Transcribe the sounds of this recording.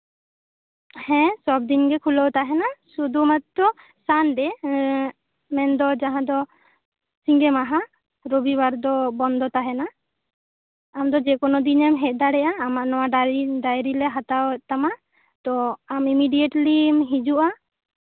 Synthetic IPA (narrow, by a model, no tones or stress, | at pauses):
hɛ̃sɔb̚d̪inɡɛkʰulɔwt̪aɦɛnasud̪umat̪ːɔ | sanɖɛ | mɛnd̪ɔd͡ʒaɦãd̪ɔ | siŋɡɛmaɦa | ɾobibaɾd̪ɔbɔnd̪ʱɔt̪aɦɛna | amd̪ɔd͡ʒɛkɔnɔd̪inɛmɦɛt̚ˀd̪aɽɛʔaːmaʔnɔwaɖiɖajɾilɛɦat̪awɛt̪ama | t̪ɔamimiɖijɛʈlimɦid͡ʒuʔa